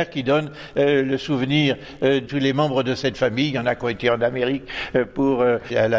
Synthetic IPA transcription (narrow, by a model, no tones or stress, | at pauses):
ɛʁkʲid̪ɔn | øləsuvniʁ | t̪ulemɑ̃bʁəd̪əsɛt̪famijjɑ̃nakɔ̃et̪eɑ̃nameʁikpuʁøala